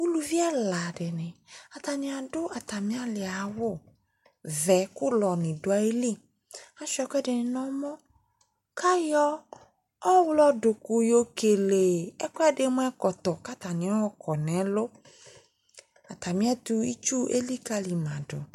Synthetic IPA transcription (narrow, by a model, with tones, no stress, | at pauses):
wu˦lu˨vi˦ɛ˦la˨dɪ˨nɪ̃˨a˨t̪a˨nɪ̃˨a˨dʊ˦a˨t̪a˨mĩ˦a˦lɪ˨a˨wʊ˦ | vɛ˨kʊ˦lɔ˨nɪ̃˨dʊ˨a˨e˦li˦ | a˦ʃɛ˦kʷɛ˦dɪ˨nɪ˨nɔ̃˦mɔ̃˦ | ka˦jɔ˦ | ɔ˦wlɔ˦dʊ˨kʊ˨jo˦ke˨le˨ɛ˦kɔ˦ɛ˦dɪ˨˦mʊ̃˦ɛ˦kɔ˨t̪ɔ˨ka˦t̪a˨nɪ̃˨˦ɔ˦wɔ˦kɔ˨nɛ˨˦lʊ˦ | a˨t̪a˨mĩ˦ɛ˦t̪ʊ˦i˦t͡ʃu˦ʔḛ˦li˦ka˦li˨mã˨dʊ̰˨